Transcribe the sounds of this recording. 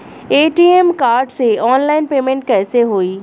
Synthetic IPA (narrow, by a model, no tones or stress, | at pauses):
eːʈiːemkaːɾɖseɔːnlaːɪnpeːmẽɳʈ̚kɛːseɦoːiː